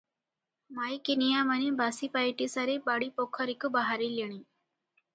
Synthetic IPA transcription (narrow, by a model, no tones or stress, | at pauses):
maːikenijamɐnĩbʱasipaiʈisaɾebaːɽipokʰɔɾikubaɦaɾiliɳ̃ĩː